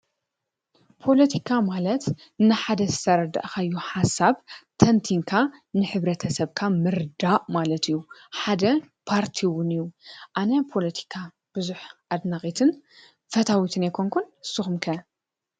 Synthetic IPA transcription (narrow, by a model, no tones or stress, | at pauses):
pʰo̞lɐt̪ʰikʰamalɐt̪ | nɨħad̪ɐzɨst̪ʰɐɾɐd̪a̰ʔkajːuħasaβt̪ʰɐnt̪ʰiŋkʰanɨħɨβɾɐt̪ʰɐsɐβkʰamɨɾd̪aʔmalɐt̪ijːuħad̪ɐ | pʰaɾt̪ʰiwʊnijːuʔanɐpʰo̞lɐt̪ʰi̥kʰa | b̥ɨzuħʔad̪naxʼit̪ʰɨn | fɐt̪ʰawit̪ʰɨnajkʰoŋkʰunsɨxumkʰɐ